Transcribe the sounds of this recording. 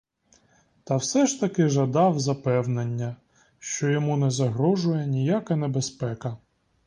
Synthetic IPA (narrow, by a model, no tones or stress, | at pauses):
t̪ɐwsɛʃt̪ɐkɪʒɐd̪ɑwzɐpɛwnenʲːɐ | ʃt͡ʃɔjɔmunɛzɐɦɾɔʒʊjɛnʲijakɐnebespɛkɐ